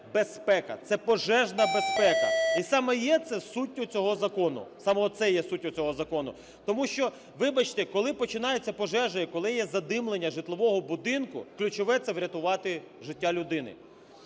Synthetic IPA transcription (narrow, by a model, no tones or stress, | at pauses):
bespɛkɐt̪sɛpɔʒɛʒnɐbespɛkɐisɑmɛjɛt̪sɛsutʲːʊt͡sʲɔɦɔzɐkɔnʊ̰sɑmɛɔt̪sɛjɛsutʲːʊt͡sʲɔɦɔzɐkɔnʊ̰ | t̪ɔmuʃt͡ʃɔ | ʋɪbɐt͡ʃt̪ɛkɔlˠɪpɔt͡ʃɪnɑjet͡sʲːɐpɔʒɛʒɐjikɔlˠɪjɛzɐd̪ɪmlˠenʲːɐʒɪt̪lˠɔʋɔɦɔbʊd̪ɪnkʊ̰klʲut͡ʃɔʋɛt̪sɛʋɾʲɐt̪ʊʋɑt̪ɪ | ʒɪtʲːalʲʊd̪ɪnɪ̰